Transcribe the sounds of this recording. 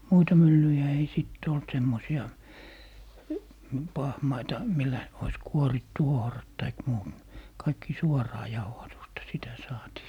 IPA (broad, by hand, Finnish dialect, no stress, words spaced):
muitɑ mylːyjæ ei siˑtː olt semːosiɑ pɑhmɑitɑ milːæ ois kuoritːu ohrɑt tɑik muːt kɑikːi suɔrɑː jɑuhɑtustɑ sitæ sɑːtiː